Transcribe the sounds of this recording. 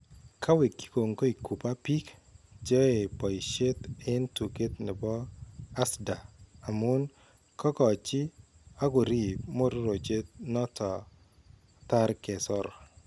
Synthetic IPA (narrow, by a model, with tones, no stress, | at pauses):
kʰa˦we˨kːi̥˦ko˨ŋko˦i˨ku˨pa˦pi˦kd͡ʒo˦e˨pɔ˨ʃe˦t̪ɪ˦ntu˨ke˦t̪nɪ˨bɔ˦a˦sda˨a˨mu˦n | kʰɔ˦kɔ˨t͡ʃɪ˦ | a˦ɡʊ˨ɾi˦˨pmo˦ɾɾo˨d͡ʒe˦t̚nɔ˦tɔ˨ | t̪a˦ɾke˨sɔ˦ɾ